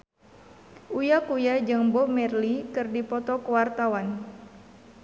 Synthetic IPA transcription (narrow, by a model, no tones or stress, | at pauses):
ʔujakujad͡ʒəŋbɔmɛrlikɨrdipɔt̪ɔkəwart̪awan